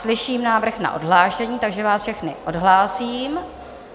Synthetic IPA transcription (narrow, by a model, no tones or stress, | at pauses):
slɪʃiːmnaːvr̩xna̰ʔo̰dɦlaːʃɛɲiːt̪aɡʒɛvaːsfʃɛxnɪ̰ʔodɦlaːsiːm